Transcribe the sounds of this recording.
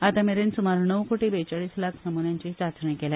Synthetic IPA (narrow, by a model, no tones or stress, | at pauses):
at̪ameɾensumaɾnəʋkoʈibet͡saɭiːslakʰnəmunjãɲt͡ɕiːsat͡sɳĩkela